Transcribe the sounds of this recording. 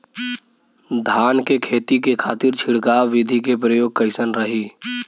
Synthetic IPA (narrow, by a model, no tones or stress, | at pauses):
d̪ʱaːnkekʰeːt̪ikekʰaːt̪ɪɾt͡ʃʰɪɽɡaːwːɪd̪ʱikepɾəjoːɡ̚kəɪsənɾəɦiː